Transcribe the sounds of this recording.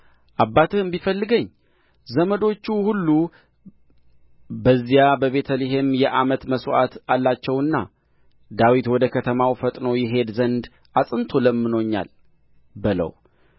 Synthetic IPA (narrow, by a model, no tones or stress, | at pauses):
ʔabːat̪ʰɨɨmbifəlːɨɡəɲː | zəməd̪o̞t͡ʃːuhulːu | bəzːijabəβe̞t̪ʰəliɦe̞mjɛʔamət̪məsʔat̪alːat͡ʃːɛwɨnːa̰ | d̪awit̪wɔd̪əkʰət̪ʰəmawfət̪ʼno̞jɪɦe̞d̪zənd̪ | ʔasʼɨnt̪ʰo̞ləmːɨno̞ɲːa̰l | bɨlə̰w